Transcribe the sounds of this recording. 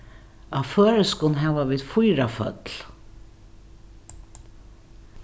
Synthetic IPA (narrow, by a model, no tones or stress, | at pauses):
aðfœːɾɪskʊnɦɛvaviːðfujɾafœ̰t̪l̥